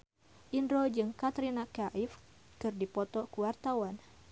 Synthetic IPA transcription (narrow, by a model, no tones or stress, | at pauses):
ʔindɾod͡ʒɨŋkat̪ɾinakaʔif | kɨrdipɔt̪ɔkuwart̪awan